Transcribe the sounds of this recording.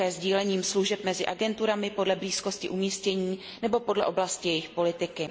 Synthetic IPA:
ɛːzɟiːlɛɲiːmsluʒɛp̚mɛzɪʔaɡɛnt̪uɾamɪpo̞dlɛbliːskoscɪʔumiːscɛɲiː | nɛbo̞po̞dlɛʔoblascɪjɛjɪxpo̞lɪt̪ɪkɪ

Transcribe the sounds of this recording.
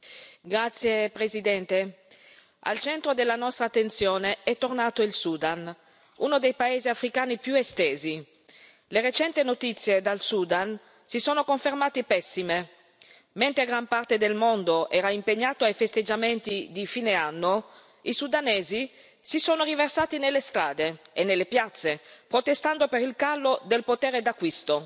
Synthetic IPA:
ɡɾat̪sːjepɾezid̪ɛnt̪e | a̰lt͡ʃɛnt̪ɾod̪elːanɔst̪ɾaːt̪ːent̪sjoːneɛt̪ːornaːt̪oilsuːd̪an | unod̪ejpaeːziafɾikaːnipjuest̪eːzi | leɾet͡ʃɛnt̪inot̪it̪sːjed̪alsud̪an | sisoːnokoɱfermaːt̪ipɛsːime | ment̪ɾeɡɾampart̪ed̪elmond̪oʔɛːɾaimpeɲːaːt̪oajfest̪ed͡ʒament̪id̪ifiːneanːo | isud̪aneːzi | sisoːnoriversaːt̪inelːest̪ɾaːd̪eenːelːepjat̪sːepɾot̪est̪and̪opeɾilkalːod̪elpot̪ɛːɾed̪akːwist̪o

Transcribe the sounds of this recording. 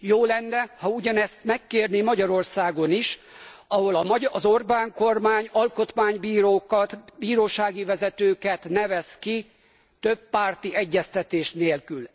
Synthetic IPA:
joːlɛnːɛhɒuɟɒnɛst̪mɛkːeːrnimɒɟɒɾo̞rsaːɡo̞niʃ | ɒɦo̞lɒmɒɒzo̞rbaːŋko̞rmaːɲɒlko̞t̪maːɲbiːɾoːkɒt̪biːɾoːʃaːɡivɛzɛt̪øːkɛt̪nɛvɛski | t̪øbːaːrt̪iɛɟːɛst̪ɛt̪eːʃneːlkyl

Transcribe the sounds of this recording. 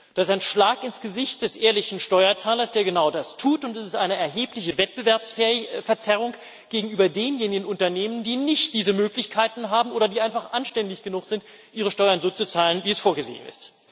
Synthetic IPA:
d̥asɪsaɪnʃlaːkɪnsɡ̥əzɪçt̚d̥ɛsʔeːɐlɪçn̩ʃtɔʏɐt͡saːlɐsd̥eːɐɡənaʊdastʰuːtʊntɛsɪstʔaɪnəɛɐɦeːplɪçəvɛt̚b̥əvɛɐpsfɛɐt͡sɛʁ̞ʊŋ | ɡ̥eːɡŋ̩ʔyːbɐdeːnjeːnɪɡən̩ʊntɐneːməndiːnɪçtd̥iːzəmøːklɪçkʰaɪtn̩ɦaːbm̩ʔoːɾɐdiːʔaɪnfaχʔanʃtɛndɪçɡ̥ənʊχz̥ɪnt | ʔiːʁ̞əʃtɔʏɐnzoːt͡sut͡saːlənviːɛsfoːɐɡəzḛːə̰nɪ̰st

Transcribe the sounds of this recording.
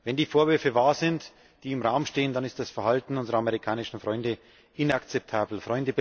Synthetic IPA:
vɛndiːfoːɐvʏɐfəvaːɐzɪnt | d̥iːɪmʁaʊmʃteːəndanɪstd̥asfɛɐhaltn̩ʊnzəʁɐameʁikʰaːnɪʃn̩fʁ̥ɔʏndə | ʔɪnakt͡sɛp̚tʰaːbl̩fʁɔʏndəb

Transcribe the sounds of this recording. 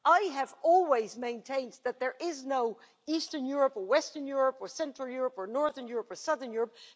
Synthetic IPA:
ʔaɪɨvɔlˠwizmẽɪ̃ntʰẽɪ̃nðɨt̪̚ðə˞ʔɪznoʊ | istə̃˞njʊɹəpəwɛstə̃˞njʊɹəpə˞sɛ̃ntɹ̥əl̩ˠjʊɹəpə˞nɔɹðə˞njʊɹəpə˞sʌðə˞njʊɹəp̚

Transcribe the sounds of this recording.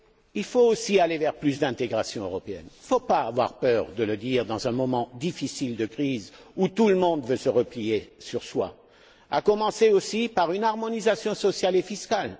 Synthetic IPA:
ilfoosialevɛʁplys̬d̪ɛ̃t̪eɡʁasjɔ̃ø̰ʁɔpeɛ̰nifopaːvwa̰ʁpœʁd̪ələd̪iʁd̪ɑ̃zɛ̃mɔmɑ̃d̪ifisild̪əkχizut̪uləmɔ̃d̪vøsəʁəplijesyʁswa̰ | a̰kɔmɑ̃seosipaʁynaʁmɔnizasjɔ̃sɔsjalefiskal

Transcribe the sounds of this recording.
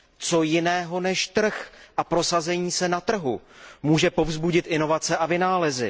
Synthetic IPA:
t͡so̞jɪnɛːɦo̞nɛʃt̪r̩xʔapɾo̞sazɛɲiːsɛnat̪r̩ɦumuːʒɛpo̞vzbuɟɪt̪ʔɪno̞vat͡sɛʔavɪnaːlɛzɪ̰

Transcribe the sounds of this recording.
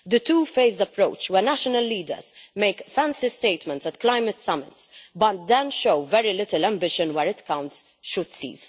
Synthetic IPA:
d̪ət̪uːfeɪzd̪ɐpɾoʊt͡ʃwɛnæʃɔnəlːiːd̪ə̰ɾzmeɪkfæ̃nsist̪eɪt̪mɛ̃nt̪sɛt̪klaɪmɨt̪sɐmɪ̰t̪sbɐt̪̚d̪ɛ̃nʃoʊvɛɾilɪt̪əlæ̃mbɪʃɨ̃nwɛɾɪt̪kãwnt̪s | ʃʊd̪̥sḭːz̥

